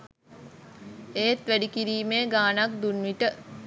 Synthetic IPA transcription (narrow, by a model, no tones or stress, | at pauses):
eːt̪ʋæɖikiɾiːmeːɡaːnak̚d̪unʋiʈə